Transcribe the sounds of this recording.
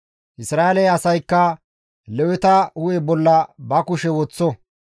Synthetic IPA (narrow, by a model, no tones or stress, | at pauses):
ʔɪsɾaːelɛɐsɐjkːɐ | lɛwɛt̪ɐʊɛbɔlːɐbɐkʊʃɛwɔt͡sːɔ